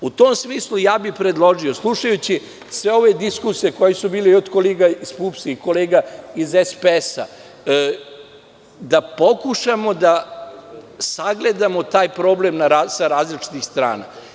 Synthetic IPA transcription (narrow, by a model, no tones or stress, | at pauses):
ut̪oːmsmiːslˠujaːbixpɾe̞d̪lˠo̞ʒioslˠuʃajut͡ɕi | sʋe̞o̞ʋe̞d̪iskusijeko̞jesubiːleod̪koleːɡaispuːpsiko̞leːɡaizespeesa̰ | d̪apo̞kuʃamo̞d̪a | saɡle̞d̪amot̪aːjpɾo̞ːblemnaɾasaɾaːzlit͡ʃi̥t̪ixst̪ɾa̰ːna̰